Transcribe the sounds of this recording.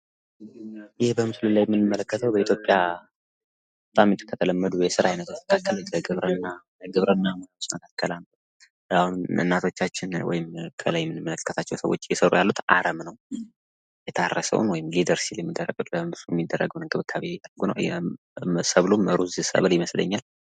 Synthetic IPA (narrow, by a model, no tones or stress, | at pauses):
jɪhbəmɨslunlːajɛmːɨnːɨmːələkːət̪ʰəwbəit̪ʰjo̞pʼja | bət̪ʼamːit̪ɨkʰːət̪ʰələmːəd̪ujɛsɨɾahajnət̪ʰot͡ʃməkʰakːələɡɨβɾənːa | ɡɨβɾənːahɨmonaot͡ʃːməkʰakʰːəlanə | ahunɨ̰nːat̪ʰo̞t͡ʃːat͡ʃːɪnwɔ̰jɪmkʰə̰lajɛmːɨnɨmːələkkʰːət̪ʰat͡ʃːɛwsə̰wo̞̰t͡ʃːjɛsəɾṵjalːut̪ʰa̰ɾəmnəw | jɛt̪ʰarːəsə̰wṵnwɔjɪmɡed̪əɾsiljɛmːid̪ːərːəɡʼut̪bəmɨslujɛmːid̪ːərːə̰ɡəwnɨɡʰɨβɨkʰːaβeɛd̪ərːəɡunə̰wjɛ̰ | səβluməɾuzɨsə̰βɨljɪməslə̰ɲːal